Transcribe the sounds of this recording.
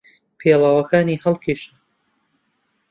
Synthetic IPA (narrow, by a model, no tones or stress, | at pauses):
pʰeːlaːwɐkʰaːniːhɐlˠkʰeːʃɐ